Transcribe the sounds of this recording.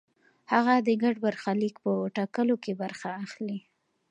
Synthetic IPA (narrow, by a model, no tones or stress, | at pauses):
haɣad̪əɡaɖbaɾxalikpəʈakəlokebaɾxaːxli